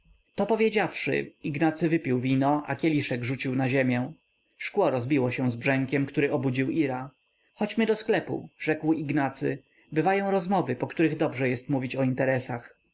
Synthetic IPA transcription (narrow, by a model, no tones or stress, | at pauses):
t̪ɔpɔvʲjed͡ʑafʂɘ̰iɡnat̪sɘvɘpʲiwvʲinɔʔa̰kʲɛlʲiʂɛɡʐut͡ɕiwnaʑemʲjɛ̃ | ʂkwɔɾɔzbʲiwɔɕɛ̃w̃zbʐɛŋkʲɛmkt̪uɾɘʔɔbud͡ʑiwiɾa | xɔt͡ɕmɘd̪ɔsklɛpṵʐɛkwiɡnat̪sɘ̰ | bɘvajɔ̃w̃ɾɔzmɔvɘpɔkt̪uɾɘɣd̪ɔbʐɛjɛst̪muvʲit͡ɕɔint̪ɛɾɛsax